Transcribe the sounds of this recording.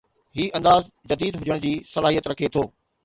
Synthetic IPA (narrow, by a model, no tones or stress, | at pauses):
ɦiːʔɐ̃nd̪aːzd͡ʑɐd̪iːd̪ɦʊd͡ʑəɽ̃d͡ʑiːsɐlaːɦijət̪ɾɐkʰet̪ʰoː